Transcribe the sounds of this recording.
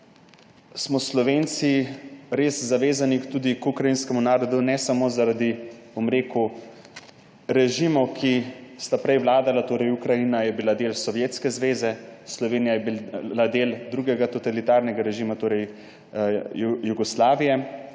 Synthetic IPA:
smɔslɔʋeːnt̪siɾeːszaʋeːzanikt̪uːd̪ikukɾainskɛmunaːɾɔd̪unɛsamoːzaɾad̪ibomɾeːku | ɾɛʒiːmɔwkʰist̪apɾɛjʋlaːd̪alat̪oːɾɛjukɾajinajɛbilad̪eːlsɔʋjeːt̪skɛzʋeːzɛslɔʋeːnijajɛbilad̪eːld̪ɾuːɡɛɡat̪ɔt̪alit̪aːɾnɛɡaɾɛʒimat̪oːɾɛj | juɡɔslaːʋijɛ

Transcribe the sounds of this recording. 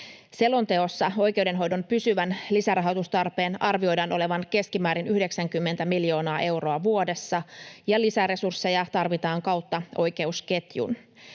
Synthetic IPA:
se̞lont̪e̞o̞sːɑo̞jk̟e̞uwde̞nɦo̞jdo̞mpysyʋænlisærɑɦɑot̪ust̪ɑrpe̞ːnʔɑrʋio̞jdɑːnʔo̞le̞ʋɑnke̞skimæːɾinyhde̞ksæŋkymːent̪æmiljo̞ːnɑːʔe̞wro̞ɑʋuo̞de̞sːɑjɑlisære̞sursːe̞jɑt̪ɑrʋit̪ɑːŋkɑwt̪ːɑo̞jke̞uske̞t̪jṵn

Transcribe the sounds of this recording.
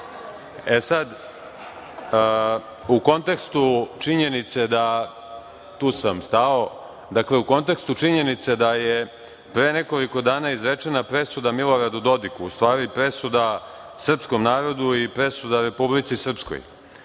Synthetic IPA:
esad̪ | uko̞nt̪e̞kst̪ut͡ʂiɲe̞nit̪se̞d̪a | t̪uːsamst̪ao̞ | d̪akleuko̞nt̪e̞kst̪ut͡ʂiɲe̞nit̪se̞d̪aje | pɾeneko̞liko̞d̪aːnaizɾet͡ʂe̞napɾe̞sud̪amilo̞ɾad̪ud̪o̞d̪ikṵːst̪ʋaːɾipɾe̞sud̪a | sr̩psko̞mnaːɾo̞d̪uipɾe̞sud̪aɾe̞publit̪sisr̩psko̰j

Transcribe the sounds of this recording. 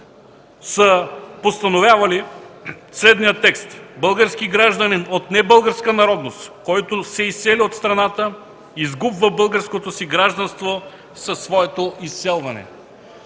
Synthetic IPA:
səpost̪ɐnovʲjavɐli | slɛd̪nijət̪ːɛkst̪bɤlˠɡəɾskiɡɾaʒd̪ɐninot̪nɛbɤlˠɡəɾskənɐɾɔd̪nost̪kɔjt̪osɛisːɛliot̪st̪ɾɐnat̪ə | izɡubvəbɤlˠɡəɾskot̪osiɡɾaʒd̪ɐnst̪vo | sɐsːvɔɛt̪oisːɛlˠvɐnɛ̰

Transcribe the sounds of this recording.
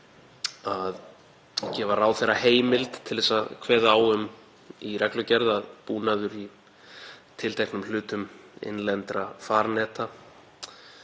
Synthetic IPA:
að | cɛːvaraːwθejɾaheːjmɪlt̪t̪ʰɪlðɛsakʰvɛːðawʏm | irʔɛklʏcɛɾðaðpuːnaðʏɾi | t̪ʰɪlt̪ʰɛknʏml̥ʏːt̪ʏmɪ̰nlɛnt̪ɾafaːɾnɛːt̪a

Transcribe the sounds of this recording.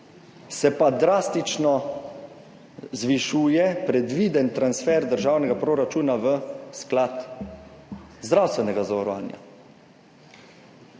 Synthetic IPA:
sɛpad̪ɾaːst̪it͡ʃnɔ | zʋiʃuːjɛpɾɛd̪ʋiːd̪ɛnt̪ɾansfɛɾd̪əɾʒaːwnɛɡapɾoːɾat͡ʃuːnaʋəsklaːt̪ | zd̪ɾawst̪ʋɛnɛɡazaʋaɾɔʋa̰ːnja̰

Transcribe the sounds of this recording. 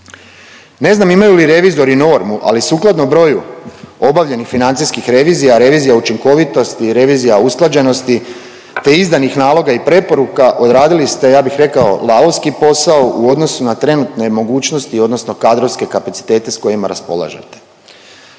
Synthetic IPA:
ne̞znamimajuliɾe̞ʋizo̞ɾino̞ɾmuʔa̰lisuːklˠad̪nobɾo̞juo̞baʋʎe̞nixfinant̪siskixɾe̞ʋiːzijaɾe̞ʋiːzijaut͡ʃiŋko̞ʋit̪o̞st̪iɾe̞ʋiːzijausklˠad͡ʑe̞no̞st̪i | t̪e̞izd̪anixnaːlo̞ɡaipɾe̞po̞ɾukaʔo̞d̪ɾaːd̪ilist̪e̞jaːbixɾe̞kao̞̰lˠaoskipo̞saoʔuo̞d̪no̞sunat̪ɾe̞nut̪ne̞mo̞ɡuːt͡ʃnost̪io̞d̪no̞sno̞kad̪ɾoʋske̞kapat̪si̥t̪e̞ːt̪e̞sko̞jima̰ɾa̰spo̞̰lˠa̰ʒḛt̪e̥

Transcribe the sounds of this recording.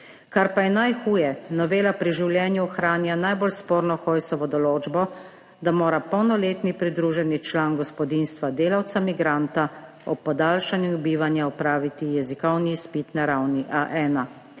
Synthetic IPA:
kaɾpajɛnajxuːjɛnɔʋeːlapɾiʒiwljɛːnjuɔxɾaːnjanajbɔlspoːɾnɔxɔːjsɔʋɔd̪ɔloːd͡ʒbɔ | d̪amoːɾapɔwnɔleːt̪nipɾid̪ɾuʒɛnit͡ʃlaːnɡɔspɔd̪inst̪ʋad̪eːlawt̪samiɡɾaːnt̪a | ɔpːɔd̪aːlʃanjubiːʋanjaɔpɾaːʋit̪ijɛzikɔwniːspiːt̪naɾawniʔaʔɛːna

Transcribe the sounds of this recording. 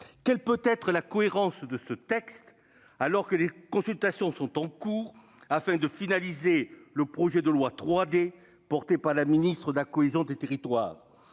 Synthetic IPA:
kɛlpøt̪ɛt̪χəlakɔeʁɑ̃sd̪əsət̪ɛkst̪ | alɔʁkəlekɔ̃sylt̪asjɔ̃sɔ̃t̪ɑ̃kuːʁ | afɛ̃d̪əfinalizeləpχɔʒɛd̪əlwat̪χwad̪e | pɔʁt̪epaʁlaminist̪χəd̪əlakɔezjɔ̃d̪et̪eʁit̪wa̰ːʁ

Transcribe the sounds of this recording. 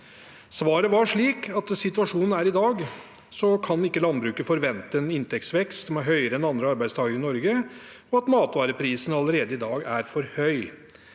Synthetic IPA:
sʋɑːɾəʋɑʂɭiːkʰɑt̪sɪt̪ʉɑʂuːnn̩æɾɪd̪ɑːɡ | sɔkʰɑnɪkːəlɑnbɾʉːkəfɔɾʋɛnt̪əɛnɪnt̪ʰɛk̚t̪sʋɛkst̪mɛɦœʏəɾəɛnɑnd̪ɾəɑɾbæɪst̪ʰɑːɡəɾɪnɔɾɡə | ɔɑt̪mɑːt̪ʋɑːɾəpʰɾiːsənɑləɾeːd̪əɪd̪ɑːɡæɾfɔɾhœʏ

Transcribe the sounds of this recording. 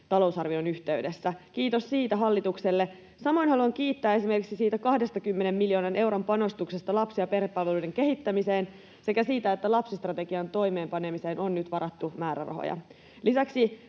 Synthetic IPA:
t̪ɑlousɑrʋionyçt̪e̞yde̞sːæk̟iːt̪ossiːt̪æɦɑlːit̪ukse̞lːe | sɑmo̞inhɦɑluɑŋkiːt̪ːæːe̞sime̞rkiksisiːt̪ækɑhde̞st̪ɑkymːene̞mːiljoːnɑnʔe̞wɾompɑno̞st̪ukse̞st̪ɑlɑpsiɑpe̞rhepːɑlʋe̞luijde̞ŋke̞hit̪ːæmise̞ːn | se̞kæsiːt̪æe̞t̪ːælɑpsist̪rɑt̪e̞ɡiɑnt̪o̞jme̞ːmpɑne̞mise̞ːnonːyt̪ʋɑɾɑt̪ːumæːɾærɑ̰ɦo̰jɑ̰ | lisæksi

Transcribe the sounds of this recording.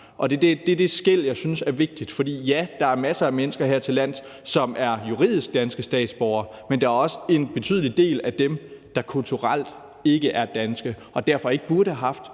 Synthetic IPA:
ʔɒ̽d̥e̝d̥ed̥e̝d̥e̝sɡ̥el̰jɑ̈ɪsynsæɐʋe̝ɡ̥̚d̥id̥fɒ̽d̥ḭːjæd̥ɑ̈æɐmæsəæmenəsɡ̥ɐɦeɐ̰t͡sʰe̝læn̰ˠ | sɒ̽mæɐjuʁḭːð̞̰ˠisɡ̥̚d̥ænsɡ̥əsd̥ɛ̰ːd̥sb̥ɒʊɐ | mend̥ɑ̈æɐɒ̽səe̝nb̥e̝t͡sʰy̰ðˠlid̥e̝̰ːlæd̥emd̥ɑ̈kʰult͡sʰuʁɑl̰d̥ | e̝ɡ̥əʔæɐd̥ænsɡ̥ə | ɒ̽d̥æɐ̰fɒ̽e̝ɡ̥əb̥uɐɾəhæɦɑ̈fd̥

